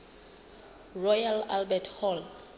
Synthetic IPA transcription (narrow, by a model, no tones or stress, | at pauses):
rɔjalalbɛtʰhɔl